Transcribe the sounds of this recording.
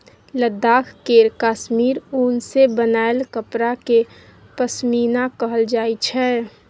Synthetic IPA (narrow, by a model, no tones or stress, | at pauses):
ləd̪ːaːkʰkeːɾkaːʃmiːɾunsebənaːelkəpɾake | pəsmiːnakəɦəld͡ʒaːit͡ʃʰɛː